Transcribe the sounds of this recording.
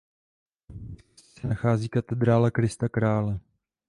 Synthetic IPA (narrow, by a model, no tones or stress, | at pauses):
sɛnaxaːziːkat̪ɛd̪ɾaːlakɾɪst̪akɾaːlɛ